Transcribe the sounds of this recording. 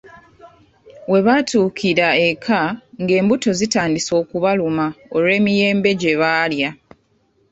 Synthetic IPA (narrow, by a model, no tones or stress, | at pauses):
we̞βatuːkʰiɾae̞kʰaŋɡe̞ːmbuto̞zitaːndiso̞ːkuβalumaoɾwe̞ːmije̞ːmbe̞ɟe̞βaːlja